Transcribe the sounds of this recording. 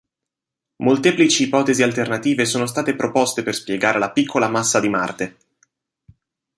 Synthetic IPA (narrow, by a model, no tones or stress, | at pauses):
molt̪eːplit͡ʃiːpɔːt̪ezialt̪ernat̪iːvesoːnos̬t̪aːt̪epɾopost̪eperspjeɡaːɾʔelapikʰːolamasːad̪ima̰rt̪e